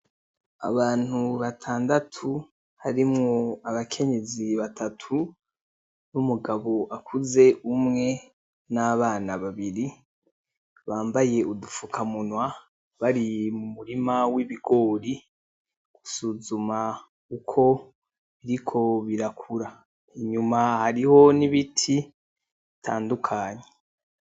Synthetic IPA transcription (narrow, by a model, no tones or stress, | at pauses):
a̰βaːn̥huβatʰaːndatʰu | haɾimŋoaβakʰe̞ɲe̞ziβatʰatʰu | numuɡaβo̞ʔakʰuze̞ʔumŋe̞ | naβaːnaβaβiɾi | βaːmbaje̞udufukʰamunwa | βaɾimumuɾimawiβiɡ̥o̞ːɾi | ɡ̥u̥suzuma | ukʰo̞ | βiɾikʰo̞βiɾakʰuɾa | iɲumahaɾiho̞niβitʰi | itʰaːndukʰaːɲe